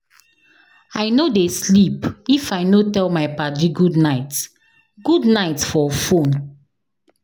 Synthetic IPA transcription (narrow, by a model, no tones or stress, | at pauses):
aɪnodeslipifaɪnotɛlmaɪpad͡ʒiɡudnaɪt | ɡ̥udnaɪtfɔfõn